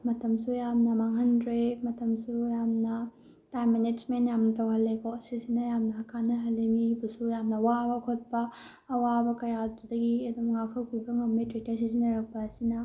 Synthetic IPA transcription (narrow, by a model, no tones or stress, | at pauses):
mɐtɐmsujamnɐmaŋɦɐndɾemɐtɐmsujamnɐ | tajmːened͡ʒmentjamnɐtɐwɦɐlːekɔsisinɐjamnɐɦɐkʰanːɐɦɐlːemibɐsujamnɐwabɐkʰot̚pɐː | wabɐkɐjatudɐɡiɐdumŋakʰɐwpibɐŋɐmetɾek̚tɐɾs̬isinɐɾɐk̚pɐːsinɐ